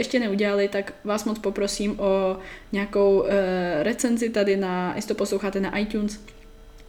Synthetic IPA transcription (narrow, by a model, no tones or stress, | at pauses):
ɛʃcɛnɛuɟɛlalɪt̪akvaːsmot͡spopɾo̞siːmʔoɲɛakowɾɛt͡sɛnzɪt̪adɪnaɪ̰sɪ̥t̪oposlowxaːt̪ɛnaʔajt̪uːns